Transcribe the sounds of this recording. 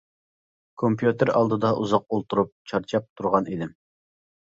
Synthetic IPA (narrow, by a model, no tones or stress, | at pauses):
kʰompjut̪eɾɑ̰lˠd̪ɨd̪ɑʔuzɑq̚olˠt̪uɾup̚t͡ʃʰɑɾt͡ʃʰɑp̚t̪ʰuɾʁɑnid̪ɪm